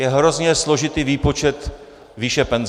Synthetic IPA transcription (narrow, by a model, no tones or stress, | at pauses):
jɛɦɾo̞zɲɛslo̞ʒɪt̪iːviːpo̞t͡ʃɛt̪ | viːʃɛpɛnz